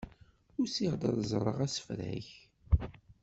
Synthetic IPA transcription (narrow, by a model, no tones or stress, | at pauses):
ʊɾsiʁd̪ˤə̰ðˤzˤrˤə̰ʁæsə̥fɾæ̰ç